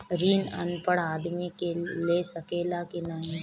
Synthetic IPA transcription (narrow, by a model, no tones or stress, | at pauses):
ɾiːnɐ̰npəɽ̃aːd̪mikelesɐkeːlakɪnaːɦĩ